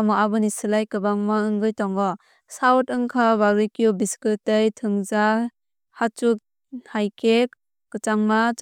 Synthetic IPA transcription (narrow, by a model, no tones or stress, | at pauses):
mɔabɯnisɯlajkɯbaŋmaɯŋɡɯjtɔŋɡɔ | sawtɯŋkʰaβaɾɯjkijubiskɯtejtʰɯŋza | hat͡ʃuk̚ | hajkek | kɯt͡ʃaŋmat͡ʃ